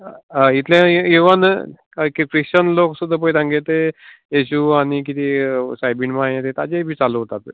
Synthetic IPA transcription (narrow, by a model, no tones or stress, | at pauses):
it̪lẽjuʋən | kikɾit͡ɕənloksud̪ʱːap̬əit̪ãŋɡet̪e | eɕuañik̬it̪ʰisajbinmãẽt̪et̪ad͡ʑebʱiːt͡saluɦot̪at̪